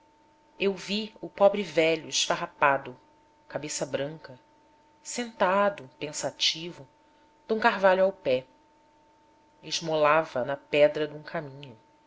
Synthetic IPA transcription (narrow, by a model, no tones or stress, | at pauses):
ewviʊpɔbɾɪvɛʎʊɪʃfaɦapad̪ʊ | kabesɐbɾɐ̃ŋkɐ | sẽnt̪ad̪ʊpẽsat͡ʃivʊ | d̪̥ũkaɦvaʎʊawpɛ | ɪʒmolavɐnɐpɛd̪ɾɐd̪ũkʰamĩɲʊ